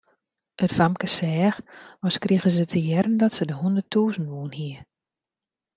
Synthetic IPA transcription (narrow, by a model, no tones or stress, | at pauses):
ʔətfamkəsɛːxʋɔskriɣəzətʰəjɛɾəndɔtsədəhundətʰuːzən̩tʋuənhiə